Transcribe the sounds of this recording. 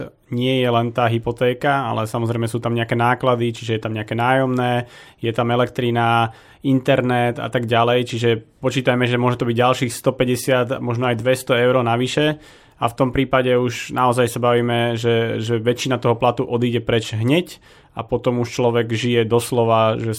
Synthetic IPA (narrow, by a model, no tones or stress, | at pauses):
ɲɪɛjɛlɛnt̪aːɦipɔt̪ɛːkaa̰lɛsamɔzɾɛɪmɛsuːt̪amɲɛakɛːnaːklad̪it͡ʃiʒɛjɛt̪amɲɛakɛnaːjɔmnɛːjɛt̪amɛlɛkt̪ɾina | int̪ɛɾnɛt̪a̰t̪aɡɟalɛjt͡ʃiʒɛpɔt͡ʃiːt̪ajmɛʒɛmʊɔʒɛt̪ɔbiɟɟalʃiːxst̪ɔpɛɟɛsɪat̪a̰mɔʒnɔajd̪ʋɛst̪ɔɛʊɾɔnaʋiʃɛ | aft̪ɔmpɾiːpaɟɛuʒnʔaɔzajsabaʋiːmɛʒɛʒɛʋɛt͡ʃinat̪ɔɦɔplat̪uʔɔd̪iːɟɛpɾɛt͡ʃɦɲɛc | a̰pɔt̪ɔmuʃt͡ʃlɔʋɛɡʒijɛd̪ɔslɔʋaʒɛ